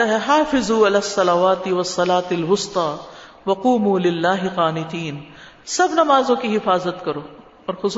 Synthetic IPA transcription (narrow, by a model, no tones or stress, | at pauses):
aɦɛɦaːfɪzuːɪlaːsːɐlaʋaːt̪ɪwɐsːɐlaːt̪ɐlwʊst̪ɑː | ʋɐquːmuːlɪlːaːɦɪqaːnɪt̪iːn | sɐbnɐmaːzõkiɦɪfaːzət̪kɐɾoː | ɔːɾxʊs